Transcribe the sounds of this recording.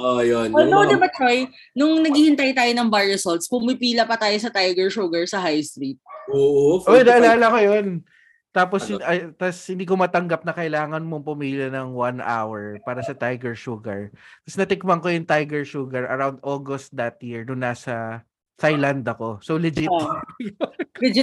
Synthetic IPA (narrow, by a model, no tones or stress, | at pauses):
ʔojononoɐmɐt̪oj | nʊŋnɐɡiːhɪnt̪aːjot̪aːjonɐŋbajɛsolt̪̚spʊmɪpiːlɐpɐt̪aːjosɐt̪ajɡɛɹʃuɡɐɹsɐɦajst̪ɾit̪̚oːʔoʔojnɐʔɐlaːlɐkojon | t̪aːposɐt̪ɐshɪnd̪iːk̬omɐt̪ɐŋɡɐp̚nɐkɐʔɪlaːŋɐnmoŋpɐmiːljɐnɐŋwana̰wɛɹpaːɾɐsɐt̪ajɡɛɹʃuɡɐ̰ɹk̪ɐsnɐt̪ɪk̚mɐŋkojʊŋt̪ajɡɛɹʃuːɡɐɹɐ̰ɾawnd̪ʔoɡost̪̚d̪ɐt̪̚jiɹnʊŋnaːsɐ | t̪ajland̪ɐko̞sowlɪd͡ʒɪt | ɪd͡ʒɪ